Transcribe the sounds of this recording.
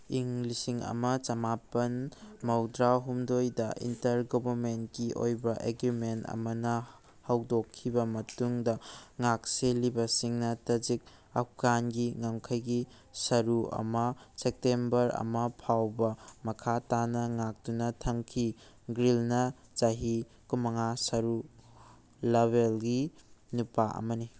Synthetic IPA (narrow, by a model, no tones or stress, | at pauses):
iŋlisiŋɐ̰mɐt͡ʃɐmapɐnmɐwdɾaɦumdojdɐʔḭntɐɾɡɔbʱɐɾment̚kiʔo̰jbɐʔeɡɾimentɐ̰mɐnɐ | hɐwdokʰːibɐmɐtuŋdɐŋak̚selibɐsiŋnɐtɐd͡ʒik̚ | ɐk̚kanɡiŋɐmkʰɐjɡi | sɐɾuɐ̰mɐsek̚tembɐɾɐ̰mɐpʰawbɐmɐkʰatanɐŋak̚tunɐtʰɐŋkʰi | ɡɾilnɐz̥aɦi | kumɐŋasɐɾu | leβelɡinupaʔɐ̰mɐni